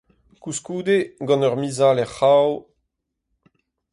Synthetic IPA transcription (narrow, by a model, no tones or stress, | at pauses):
kuskuːd̪eɡɑ̃nœʁmizalɛχaw